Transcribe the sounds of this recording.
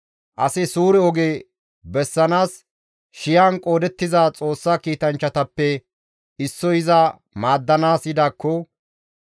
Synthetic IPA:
ʔɐsɪsuːɾɛɔɡeː | bɛsːɐnaːs | ʃɪjaːnkʼoːd̪ɛt̪ːɪzaːt͡sʼo̞ːsːaːkiːt̪ɐnt͡ʃːɐt̪ɐpːɛ | ɪsːɔjɪzɐ | maːd̪ːɐnaːsjɪd̪aːkːɔ

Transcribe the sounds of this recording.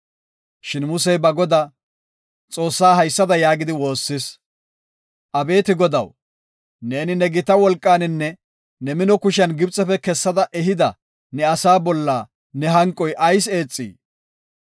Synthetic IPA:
ʃɪnmʊsɛjbɐɡɔd̪ɐ | t͡sʼo̞ːsːaːɦɐjsːɐd̪ɐjaːɡɪd̪ɪwo̞ːsːɪs | ʔɐbe̞ːt̪ɪɡɔd̪ɐ̰w | ne̞ːnɪnɛɡɪt̪ɐwɔlkʼːaːnɪnːɛ | nɛmɪnɔkʊʃɐnɡɪbt͡sʼːɛfɛkɛsːɐd̪ɐʔɛɦɪd̪ɐ | nɛɐsaːbɔlːaː | nɛɦɐŋkʼɔjʔɐjse̞ːt͡sʼːḭː

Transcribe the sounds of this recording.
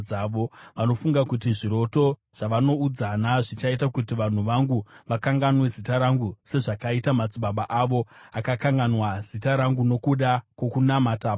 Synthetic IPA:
aʋo̞ʋano̞fuŋɡakutiʐiɾo̞to̞ | ʐ̥aʋano̞ud͡zanaʐit͡ʃaitakutiʋan̤uʋaŋɡuʋakaŋɡanwe̞zitaɾaŋɡuse̞ʐakaitamat͡siɓaɓaʔaʋo̞ | akakaŋɡanwaz̥itaɾaŋɡuno̞kuɗakwokunamataː

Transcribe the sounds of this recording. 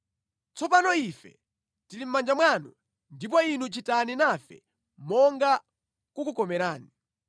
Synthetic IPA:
t͡sɔpanɔifɛ̰ | tilim̩mand͡ʒamwanu | ndipɔinut͡ʃitaninafɛ̰ | mɔŋɡa | kukukɔmɛɾaːni

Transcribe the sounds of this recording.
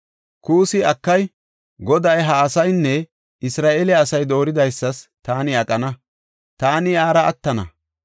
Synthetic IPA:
kuːsɪɐkːɐj | ɡɔd̪ɐjɦɐːsɐjnːɛ | ɪsɾaːʔeːlɪːsɐjd̪o̞ːɾɪd̪ɐjsːɐst̪aːnɪɐkʼɐnɐ | t̪aːnɪaːɾɐʔɐ̰t̪ːɐnɐ̰

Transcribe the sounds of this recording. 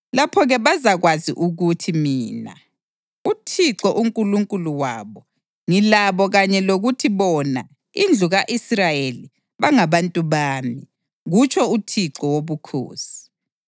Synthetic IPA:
lapʰɔɣɛβazaɣwazḭʔuɣutʰimiːna̰ | utʰiǁɔʔuŋkʼuluŋkʼuluwaːβɔ | ŋilaβɔɣaɲɛloɣutʰiβɔna̰ | ind͡ɮʱuɣaʔisrajeli | βaŋaβantʼuβaːmi | ɣut͡ʃʰʼɔutʰiǁɔwoβukʰo̰ːsi̥

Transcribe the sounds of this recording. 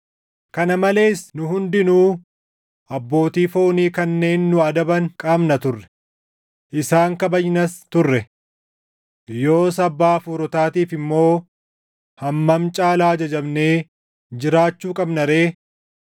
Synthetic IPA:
kɐnɐmɐle̞ːsnʊɦʊnd̪ɪnuː | ʔɐbːo̞ːt̪iːfoːniːkɐnːe̞ːnːʊɐd̪ɐbɐŋkʼaːmnɐt̪ʊrːɛ̥ | ʔɪsaːŋkɐbɐjnɐst̪ʊrːɛ | jo̞ːsɐbːaːfuːɾɔt̪aːt̪iːfɪmːo̞ː | hɐmːɐmt͡ʃʼaːlaːd͡ʒɐd͡ʒɐbne̞ː | d͡ʒɪɾaːt͡ʃːuːkʼɐbnɐɾe̞ː

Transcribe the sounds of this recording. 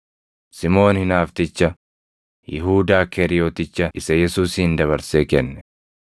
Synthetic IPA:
sɪmo̞ːnhɪnaːft̪ɪt͡ʃːɐ | jɪɦuːd̪aːkʰɛɾɪjoːt̪ɪt͡ʃːɐʔɪsɐjɛsuːshɪnd̪ɐβɐɾseːkɛnːɛ

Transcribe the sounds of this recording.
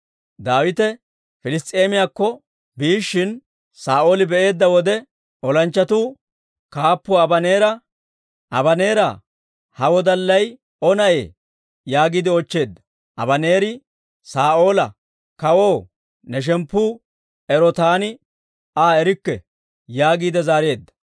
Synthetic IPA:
d̪aːwɪt̪ɛ | fɪlɪst̪ʼːe̞ːmɪjaːkːɔ | biːʃːɪn | saːʔoːlɪbɛʔe̞ːd̪ːɐwɔd̪ɛ | ɔlɐnt͡ʃːɐt̪uː | kaːpːɔɐbɐne̞ːɾɐ | ʔɐbɐne̞ːɾɐ | hɐwɔd̪ɐlːɐj | ɔnɐʔe̞̰ː | jaːɡiːd̪ɪɔt͡ʃːe̞ːd̪ːɐ̥ | ʔɐ̰bɐne̞ːɾɪ | saːʔo̞ːlɐ | kɐwo̞ː | nɛʃ̬ɛmpːuː | ɛɾɔt̪aːnɪ | aːɛɾɪkːɛ | jaːɡiːd̪ɛzaːɾe̞ːd̪ːɐ̥

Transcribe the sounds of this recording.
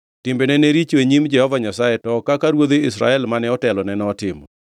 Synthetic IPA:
tɪmbenɛneɾit͡ʃoeɲimd͡ʒɛhɔvaɲasajɛtɔkakaɾwod̪eɪsɾa̰ɛlmanɛɔtɛlɔnɛnɔtɪmɔ̰

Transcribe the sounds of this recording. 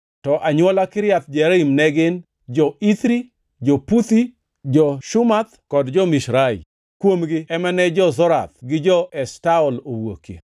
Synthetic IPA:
tɔʔaɲwɔlakɪɾɪjat̪d͡ʒɛɾimnɛɡɪn | d͡ʒɔit̪ɾi | d͡ʒɔput̪i | d͡ʒɔʃʊmat̪kɔdd͡ʒɔmiʃɾaḭ | kwomɡɪɛmɛnɛd͡ʒɔzɔɾa̰t̪̚ɡɪd͡ʒɔʔɛstaɔlowo̰kḛ

